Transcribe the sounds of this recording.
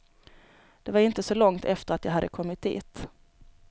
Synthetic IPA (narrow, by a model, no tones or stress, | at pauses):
d̪̥ɛvaɾɪnt̪əsɔlɔŋt̪ʰɛft̪əɾat̪jaːɦad̪ːəkʰɔmːɪt̪̚d̪ḭːt̪